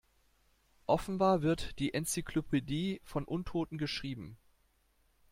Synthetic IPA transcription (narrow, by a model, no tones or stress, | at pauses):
ʔɔfn̩baːɐvɪɐtd̥iːʔɛnt͡sikʰlopʰediːfɔnʔʊntʰoːtn̩ɡəʃʁ̥iːbm̩